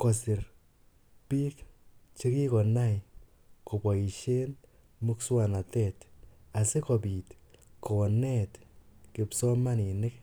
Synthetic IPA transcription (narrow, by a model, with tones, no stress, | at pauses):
kɔ˨sɪ˨r | pi˦kt͡ʃe˦ki˦kɔ˨na˦j | ko˨pa˨i˨ʃe˦n | mu˦kswa˨na˨tɛ˦ta˨se˦kɔ˨biː˨tkɔ˨nɛ˦tkɪ˨psɔ˦ma˦nɪ˨nɪ˦k